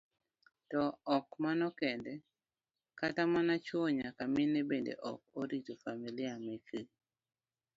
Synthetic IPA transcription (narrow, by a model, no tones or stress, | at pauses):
tɔɔkmanɔkɛndɛ | katamanat͡ʃwɔɲakamɪnebendḛʔɔ̰k̚oɾitofamilɪameke